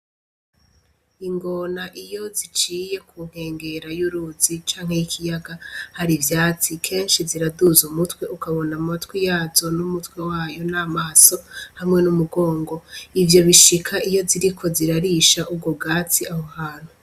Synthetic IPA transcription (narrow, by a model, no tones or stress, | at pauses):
iŋɡo̞naʔijo̞zit͡ʃiːje̞kʰuŋ̥he̞ːŋɡe̞ɾajuɾuzit͡ʃaːŋhe̞jikʰijaɡahaɾivjaːt͡sikʰe̞ːnʃiziɾaduzumutwe̞ʔukaβo̞namatwijaːzo̞numutwe̞waːjo̞namaːso̞hamŋe̞numuɡo̞ːŋɡo̞ivjo̞βiʃikʰaijo̞ziɾikʰo̞ziɾaɾiːʃaʔub̚ɡobɡaːt͡siahohaːn̥hu